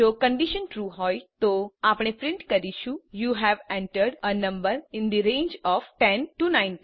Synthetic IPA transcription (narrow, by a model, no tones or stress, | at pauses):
okə̃ɳɖiʃənʈɾuɦɔjt̪oapɽ̃epɾɪ̃ɳʈkəɾiʃũjuɦæʋɛ̃ɳʈəɾɖənə̃mbəɾɪ̃nd̪iɾẽːnd͡ʒɔʋʈɛ̃nʈunãɪ̃ni